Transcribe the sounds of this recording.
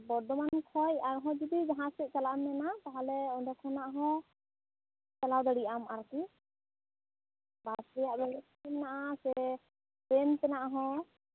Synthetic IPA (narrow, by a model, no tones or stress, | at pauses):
bɔɾd̪ɔmankʰɔjaɾɦɔ̃d͡ʒud̪id͡ʒaɦãsɛc̚t͡ʃalamnɛnat̪aɦalɛɔɖɛkʰɔnaʔɦɔ̃ | t͡ʃalawd̪aɽijamaɾki | basɾɛjaʔbɛlɛsɛmnaʔasɛ | pɾɛnt̪ɛnaʔaɦɔ̃